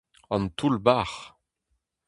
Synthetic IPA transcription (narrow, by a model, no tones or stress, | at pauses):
ɑ̃nt̪ulbaːʁ